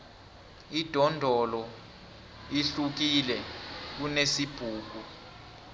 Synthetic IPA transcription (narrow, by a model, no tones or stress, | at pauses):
id̥ʱɔndʱɔlɔ | iɬuk̬ilɛk̬unesib̥ʱuːk̬u